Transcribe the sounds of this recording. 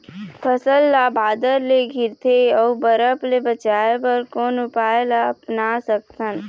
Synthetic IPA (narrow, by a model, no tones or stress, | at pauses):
pʰəsəlːabaːd̪əɾleɡʱɪɾt̪ʰeɔːbəɾəplebət͡ʃaːepəɾkɔːnʊpaːjlaɐpnasək̚t̪ʰən